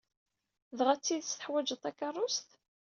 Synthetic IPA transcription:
ðʁæt͡sːiðəst̪əħwæd͡ʒət̪ˤːækːɑrˤːʊst̪

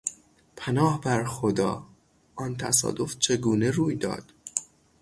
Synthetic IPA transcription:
pʰænɒːhbæɾxod̪ɒ̰ː | ʔɒnt̪ʰæ̰sɒ̰ːd̪o̞ft͡ʃʰeɡuːne̞ɾuːjd̪ɒ̰ːd̪̥

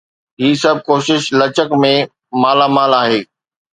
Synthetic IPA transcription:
ɦiːsɐb̚ʱkoːʃɪʃlɐt͡ɕəkmẽ | maːlamaːlaːɦeː

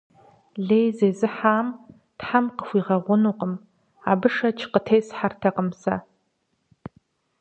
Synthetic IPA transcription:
ɮeːjzeːzɨħaːm | tħamqə̥xʷiːʁɐʁʷʊnuːqəm | a̰ːbɨʂɐt͡ʃʰqətʰejsħartʰɐqəmsɐ̰

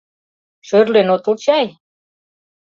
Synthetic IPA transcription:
ʃørlenot̪ult͡ɕɑj

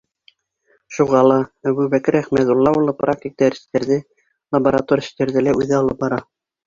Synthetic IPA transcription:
ʃuʁɑlˠɑæbʉβækɘɾæχmæt̪ulˠːɑulˠːɤprʔak̚tʲik̚t̪æɾɘ̥̆st̪æɾðɘ | lˠɐbəɾat̪oɾʲʃt̪æɾðɘlæʔʉðɘɑlˠɤp̚bɑɾɑ

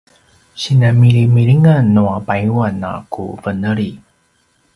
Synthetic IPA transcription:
ɕinamiɾimiɭiŋanoapajuwana̰kṵvənəɭi

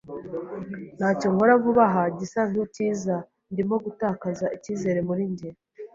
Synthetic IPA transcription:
n̥aːcoŋko̞ɾavuβaɦaɟisaŋuciːza | ndimoɡutaːkazaʔiciːze̞ɾe̞muɾiɲɟeɾ

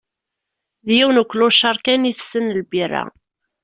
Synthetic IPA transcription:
ðjiwnəkʷːluʃɑɾˤkæniθsənəlbiræ̰

